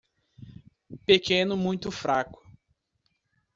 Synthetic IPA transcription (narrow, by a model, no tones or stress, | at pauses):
pekẽnʊmũj̃t̪ʊfɾakʊ̥